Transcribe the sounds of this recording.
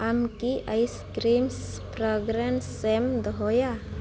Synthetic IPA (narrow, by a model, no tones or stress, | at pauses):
amkiʔajskɾims | pɾɔɡɾansemd̪ɦoja